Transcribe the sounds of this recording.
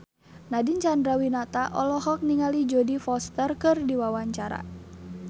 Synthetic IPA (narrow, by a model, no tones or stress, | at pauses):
nadint͡ʃandɾawinat̪aʔɔlɔɦɔk̚niŋalid͡ʒɔdifɔst̪ərkɨrdiwawaɲt͡ʃaɾa̰